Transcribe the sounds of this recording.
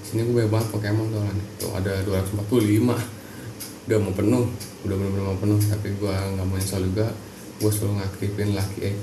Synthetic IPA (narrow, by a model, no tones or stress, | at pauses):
siniɡubajabaɦat̪̚pakemaŋt̪alant̪ṵa̰daduaɾaŋsəmpat̪̚kulima | udamopənʊh | udamənupənumapənʊht̪apiɡuaŋɡaʔmonisald͡ʒuɡa | ɡuasṵluŋakʰifɪnlakiʔɛ